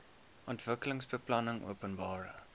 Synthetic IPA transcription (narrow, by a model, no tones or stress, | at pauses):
ʔɔntvəkələŋsbəplɐnəŋʔṵəpənbɑːɾə